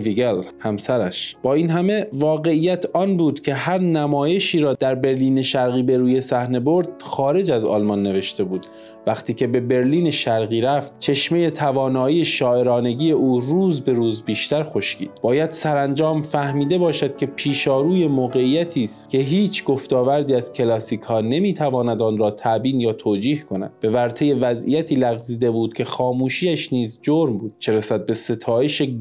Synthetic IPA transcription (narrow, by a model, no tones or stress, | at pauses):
viɡelhæmsæɾæʃb̥ɒːiːnɦæme̞vɒːɣe̞iːjːæt̪ʰɒːnbuːd̪cʲʰe̞ɦæɾnæmɒːje̞ʃiːɾɒːd̪̥æɾbe̞ɾliːne̞ʃæɾɣiːbe̞ɾuːje̞sæhne̞bo̞ɾd̪̥xɒːɾe̞d͡ʒæzɒ̰ːlmɒnːe̞ve̞ʃt̪e̞buːd̪̥ | væxt̪ʰiːcʰe̞be̞be̞ɾliːneʃæɾɣiːɾæft̪t͡ʃʰe̞ʃme̞je̞t̪ʰævɒːnɒːiːjeʃɒːʔe̞ɾɒːne̞ɟiːje̞ʔuːɾuːzbeɾuːzbiːʃt̪æɾxo̞ʃcḭːd̪̥bɒːjæd̪̥sæɾænd͡ʒɒːmfæhmiːd̪e̞bɒːʃæd̪̥̚cʰe̞pʰiːʃɒːɾuːje̞moːɣe̞iːjæt̪ʰiːst̪cʰe̞ɦiːt͡ʃʰɡo̞ft̪ɒːvæɾd̪iːæz̥cʰe̞lɒːsiːkʰhɒːne̞miːt̪ʰævɒːnæd̪ɒːnɾɒːt̪ʰæʔbiːnjɒːt̪ʰoːd͡ʒiːhkʰo̞næ̰d̪̚b̥e̞væɾt̪ʰe̞je̞væzḭjæt̪ʰiːlæɣziːd̪e̞buːd̪̚kʲʰe̞xɒːmuːʃiːæʃniːzd͡ʒoɾmbuːd̪̥̚t͡ʃʰe̞ɾesæd̪̚be̞se̞t̪ʰɒːjeʃe